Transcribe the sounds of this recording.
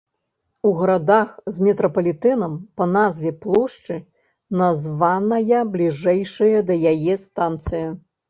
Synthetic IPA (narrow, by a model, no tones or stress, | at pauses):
uɣɐɾad̪axzmʲɛt̪ɾɐpɐlʲit̪ɛnɐmpɐnazvʲɛplˠuʂt͡ʂɨ | nazvanɐjɐblʲiʐɛjʂɐjɐd̪ɐjajɛst̪ant̪sɨjɐ